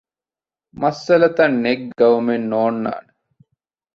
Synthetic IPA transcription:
mɐsɐlɐt̪ɐnːeɡ̚ɐumenːoːnːa̰ːne

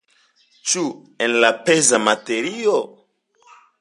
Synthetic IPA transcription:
t͡ʃu | enlapezamateɾio

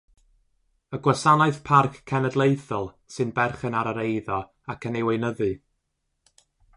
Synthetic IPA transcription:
əɡwasanaɨθpʰarkʰːɛnədlˠejθɔlˠ | sɨnbɛrχənaɾəɾejðɔ | akʰənejwejnəðɨ

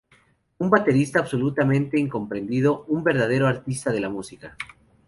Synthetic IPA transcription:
umbat̪e̞ɾist̪aːβso̞lut̪amẽnt̪e̞iŋko̞mpɾe̞nd̪ið̞o̞umbe̞ɾðaðe̞ɾoaɾt̪ist̪aðe̞lamusika

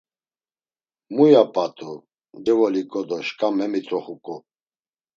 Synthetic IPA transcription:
mujapʼat̪ʼu | d̪ɛvɔlikʼɔd̪ɔʃkʼamɛmit̪ʼɾɔχukʼu

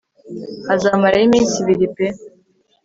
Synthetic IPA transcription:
hazamaɾajimiːnsiβiɾipe

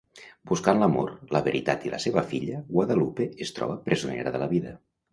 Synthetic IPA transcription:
buskanləmoɾləβəɾit̪at̪iləseβəfiʎəɣwaðəlupeest̪ɾɔ̰βəpɾʔəzunḛɾəðələβiðə

